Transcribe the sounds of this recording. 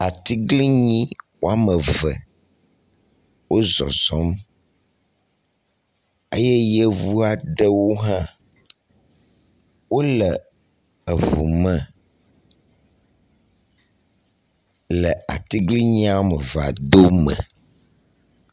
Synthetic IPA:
a˨t̪i˦ɡli˦ɲĩ˦wo˦a˦mə̃˨və̰˨ | wʔo˦zɔ̰˨zɔ˦m | e˦je˦je˦vu˦a˨ɖe˦wo˦ɦã˦ | wo˦lə˨ | ə˨vṵ˨mə˨ | lə˨a̰˨t̪i˦ɡli˦ɲĩ˦a˦mə˨va̰˨d̪o˦mə̰̃˨

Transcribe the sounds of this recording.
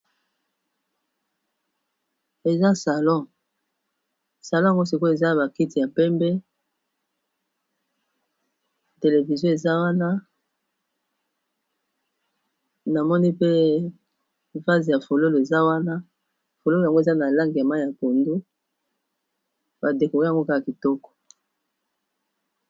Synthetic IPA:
e˨za˦sa˨lɔ̃˦˨ | sa˨lɔ̃˦˨a˨ŋɡo˦si˨ko˦e˨za˦˨ba˨ki˦ti˨ja˨pɛ˦mbɛ˦ | te˨le˨vi˨zjɔ̃˦e˨za˦wa˦na˦ | na˨mɔ˦ni˦pe˦ | va˦zi˨ja˨fo˨lo˦lo˨e˨za˦wa˦na˦ | fo˨lo˦˨a˨ŋɡo˦e˨za˦na˨la˦ŋɡi˨ja˨ma˦i˨ja˨ko˨ndu˦ | ba˨de˨ko˨ɣa˨ŋɡo˦ka˦ka˨ki˨tɔ˦kɔ̥˨

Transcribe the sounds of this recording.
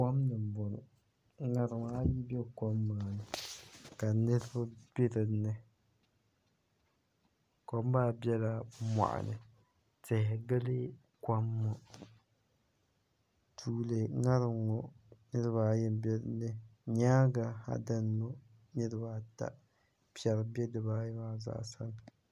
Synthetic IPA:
a˦mnɨ˨m˨bɔ˨nɔ̰˨˦ | ŋa˨ɾɨ˨ŋ˨a˦ji˦bɛ˦kɔ˦mːaː˨nɨ˨ka˨nɨ˦ɾɨ˦ba˦b̥ɪ˦ɾɨ˨nːɨ˦ | kɔ˨mbaː˦bjɛ˦la˨ma̰˨ʔa̰˨nʔɨ̰˨ | tɪ˨hɪ˨ɡɨ˦lɨ˦ | ka˦mːʊ˨ | tʰuː˦lɨ˨ŋa˦ɾɨ˨ŋɔ˨nɨ˦ɾɨ˦ba˦jɛ˦m˦bɛ˦ɾɨ˨nːɨ˦ɲaː˦ɡa˦ha̰˦da˦n˦mo˦ | nɨ˦ɾɨ˦ba˦ta̰˨ | pi˦ɛ˨ɾɨ˨bɛ˦dɨ˨baː˦jɛ˦maː˦za̰˦˨ʔsa̰˦n˨

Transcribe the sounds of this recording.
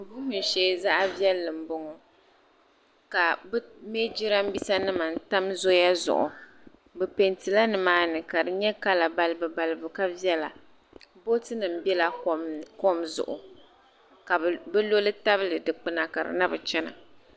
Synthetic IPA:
bʊ˦hʊ˦n̩˨ʃɛ˦za˦ʔa˦vjɛ˦lːɨ˨m̩˨bʊ˦ŋɔ˨ | ka˨bme˦d͡ʒi˦ɾa˦m˦bi˦sa˦nɨ˦ma˨n̩˦ta˦mzo˦ja˦zʊ̰˨ʔʊ̰˨ | bɛ˨pe˨ntɨ˨la˦nɨ˨maː˦nɨ˨ka˨dɨ˨ɲɛ˦ka˦la˨ba˨lɨ˦bɨ˨ba˨lɨ˨bɨ˨ka˦vi˦ɛ˦la˨ | bo˦tɨ˦nɨ˨m̩˦bɛ˦la˨˦ko˦mzʊ̰˨ʔʊ̰˨ | ka˨bɛ˦lo˦lɨ˦ta˦bɨ˦lɨ˨dɨ˨k͡pɨ˦na˨ka˨ɾɨ̰˨na˦bɨ˨t͡ʃɛ˦na̰˨

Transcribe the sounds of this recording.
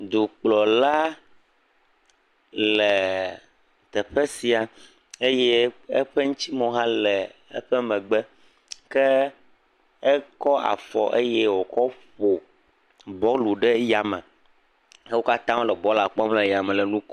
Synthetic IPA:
d̪o˨k͡plɔ˨la˦ | lɛ˨ | t̪ɛ˨ɸɛ˦si˨a˨ | e˦jɛ˦ḛ˦ɸɛ˦ŋũ˦t͡ɕi˦mɔ̃˨ɦã˦lɛ˨ɛ̰˦ɸɛ˦mɛ̃˨ɡ͡bɛ˦ | kɛ˦ | ɛ˦kɔ˦ʔa̰˨fɔ˨ʔe˦jɛ˦wo˨kɔ˦ɸo˨ | bɔ˦lu˨ɖɛ˦ja˨mɛ̃˨ | e˦wo˦ka˦t̪ã˦o˦lɛ˨bɔ˦la˨k͡pɔ˦mlɛ˨ja˨mɛ̃˨lɛ˨nũ˦k

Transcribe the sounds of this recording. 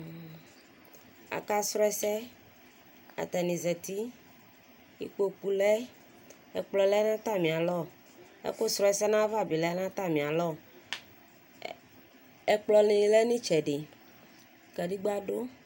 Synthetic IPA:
a̰˨ka˦sɾɔ˦ɛ˦sɛ˦ | a̰˨t̪ɛ˨nĩ˨zɛ˨t̪i˦ | jḭ˨k͡po˦k͡pu˨lɛ˦ | ɛ˨k͡plɔ˨lɛ˦nã˦t̪a˦mĩ˨a˨lɔ˦˨ | ḛ˦ko˦sɾɔ˦ɛ˨sɛ˦nã˦va˦˨bi˨lɛ˦nã˦t̪a˦mĩ˨a˨lɔ˦˨ | ɛ˨k͡plɔ˨lĩ˨˦lɛ˦nĩ˦t͡ʃɛ˨ɖe˨ | kɛ˨di˦ɡ͡ba˦ɖo˦

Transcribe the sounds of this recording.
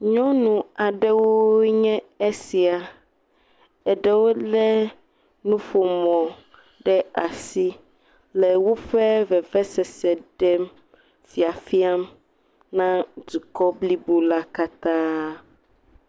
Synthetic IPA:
ɲɔ̃˦nũ˨a˨ɖɛ˦wo˦ɲɛ̃˦e˦si˨a˨ | ɛ˨ɖɛ˦wo˦lɛ˦ | nũ˦ɸo˨mɔ̃˨ | ɖɛ˦a˨si˦ | lɛ˨wo˦ɸɛ˦vɛ˨vɛ˦sɛ˨sɛ˨ɖɛ˦m | fi˨a˨fi˦a˦m | nã˦d͡ʒu˨kɔ˦bli˦bo˦la˦ka˦t̪ã˦

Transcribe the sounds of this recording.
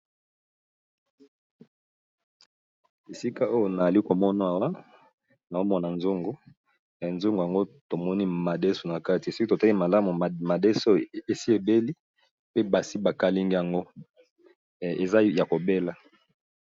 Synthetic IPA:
e˨si˦ka˦o˦jo˨na˨za˨li˦ko˨mɔ˦na˨a˨wa˦ | na˨o˦mɔ˦na˨nzo˦ŋɡo˨ | nzo˦ŋɡo˨ja˨ŋɡo˦to˨mɔ˦ni˦ma˨de˦so˨na˨ka˦ti˨so˦ki˦to˨ta˦li˦ma˨la˦mu˨ma˨de˦so˦e˨si˦e˨be˦li˦ | pe˦ba˨si˦ba˨ka˦li˦ŋɡi˦ja˨ŋɡo˦˨ | e˨za˦ja˨ko˨be˦la˨

